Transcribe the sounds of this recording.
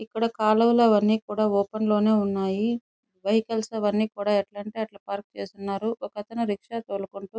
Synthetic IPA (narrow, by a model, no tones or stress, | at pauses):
ikːɐɽɐkaːlɐwulɐʋɐnːiːkuːɽaːɔːpɐnlo̞ːne̞ːunːaːji | ʋɐjkɐlsɐʋɐnːiːkuːɽaːɛʈlɐɳʈeɐʈlɐpaːɾk̚t͡ʃe̞ːst̪unːaːɾuʔɔkɐt̪ɐnɐɾikʂaːt̪oːlukuɳʈuː